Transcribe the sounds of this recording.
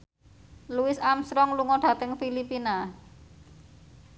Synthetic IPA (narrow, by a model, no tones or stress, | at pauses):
luɪsamsɾɔŋluŋɔɖ̥ä̤t̪əŋfilipina